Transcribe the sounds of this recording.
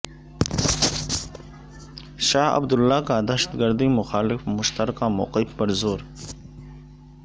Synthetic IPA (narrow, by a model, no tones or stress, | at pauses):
ʃaːa̰bd̪ʊlːaːkaːd̪aʃḁt̪ɡəɾd̪imʊxɑːlɪfmʊʃt̪aɾkamʊ̰qifpaɾzoːɾ